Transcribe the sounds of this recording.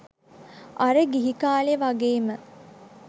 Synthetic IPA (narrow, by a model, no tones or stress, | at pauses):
ʔaɾəɡiɦikaːleʋaɡeːmə